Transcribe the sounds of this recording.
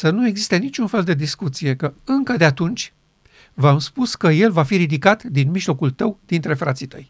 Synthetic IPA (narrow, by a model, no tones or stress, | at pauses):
sənue̞ɡzist̪enit͡ʃʲunfe̞ld̪e̞d̪iskut̪sije̞kəɨŋkəd̪e̞at̪unt͡ʃʲ | vamspuskəje̞lvafiɾid̪ikat̪d̪inmiʒlo̞kult̪əwd̪̥int̪ɾe̞fɾat̪sit̪ə̰j